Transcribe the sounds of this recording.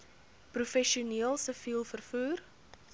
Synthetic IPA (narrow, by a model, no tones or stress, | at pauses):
prufɛʃiuniəlˠsəfilˠfərfuːr